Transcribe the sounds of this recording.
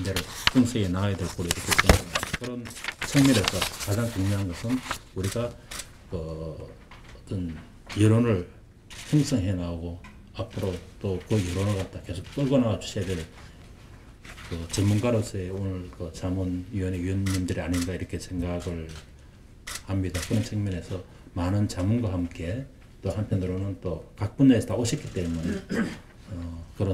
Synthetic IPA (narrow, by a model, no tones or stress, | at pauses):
ndeɾɯɭpʌŋsʰeɡenaɡajadwe̞ɭk͈oɾoiɾʌkʰe̞sʰeŋɡakʰaaakɯɾʌnsʰʌŋmiɾesʰʌkad͡ʑaŋkuŋɲʌɦanɡʌsʰɯnuɾiɡa | kɯ | t͈ʌn | jɯɾonɯɭ | hʌŋs͈ʰʌŋɦe̞naoɡo | apʰɯɾot͈okɯjɯɾonɯɭkat̚t͈ake̞sʰok̚p͈ɯɭɡonawat͡ɕu̥ɕʰijadweɭ | kɯt͡ɕʌnmunɡaɾosʰʌeonɯɭkɯt͡ɕamɯnjiʌne̞iʌnːimdɯɾiaɲinɡaiɾʌkʰe̞sʰe̞ŋɡaaɡɯɭ | hamɲidakɯɾʌnsʰeŋmʌne̞sʰʌ | manɯnt͡ɕamunɡwahamk͈e̞ | t͈ohampʰjʌndɯɾonɯnt͈okak̚p͈und͡ʑaeʌt͈aoɕʰip̚k͈it͈e̞mune̞ | ʌkɯɾʌ